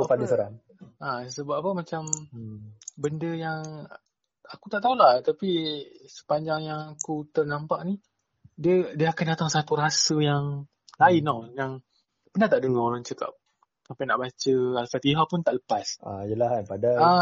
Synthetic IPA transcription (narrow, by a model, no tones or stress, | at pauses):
padasəɾan | asəbappəmat͡ʃam | bəndəjaŋ | akut̪aʔt̪aulaht̪apisə̥paɲd͡ʒaŋjaŋakut̪ərnampaʔ̚ni | diədiəakandat̪aŋsat̪uɾasəjaŋ | lainojaŋ | pənaht̪aʔdəŋaɾaŋt͡ʃəka̰p̚ | sampajnaʔbat͡ʃəalsat̪iɦapʊnt̪aʔləpasajəlahnpadaa